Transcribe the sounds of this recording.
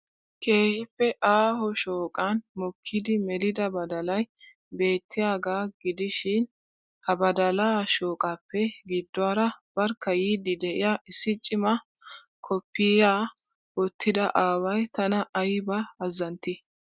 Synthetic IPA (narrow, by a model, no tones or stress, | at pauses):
kʰeːhɪpːɛʔaːɦɔʃoːkʼanmɔkʰːɪd̪ɪmɛlɪd̪ɐbɐd̪ɐlɐj | be̞ːt̪ʰːɪjaːɡaːɡɪd̪ɪʃɪn | hɐbɐd̪ɐlaːʃo̞ːkʼapːɛɡɪd̪ːʊaːɾɐb̥ɐɾkːɐjiːd̪ɪd̪ɛʔɪjaʔɪsːɪt͡ʃʼːɪmɐ | kʰɔpːɪjaː | ɔt̪ʰːɪd̪ɐʔaːwɐjt̪ɐnɐʔːjbɐɐzːɐnt̪ːɪ